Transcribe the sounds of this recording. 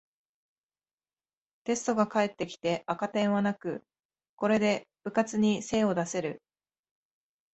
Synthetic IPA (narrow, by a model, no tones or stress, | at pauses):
t̪e̞sɨ̥t̪o̞ɡakae̞t̪ːe̞kʲi̥t̪e̞ʔakat̪ẽ̞ɰ̃βanakɯ̟ | ko̞ɾe̞d̪e̞b̥ɯ̟kat͡sɨɲ̟ise̞ːo̞d̪ase̞ɾɯ̟